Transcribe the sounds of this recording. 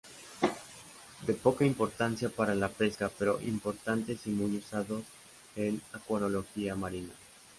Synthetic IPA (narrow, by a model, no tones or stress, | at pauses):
d̪e̞po̞kaimpo̞ɾt̪ansjapaɾalape̞skape̞ɾo̞ʔḭmpo̞ɾt̪ant̪e̞simujusaðo̞s | enakwonolo̞xiamaɾina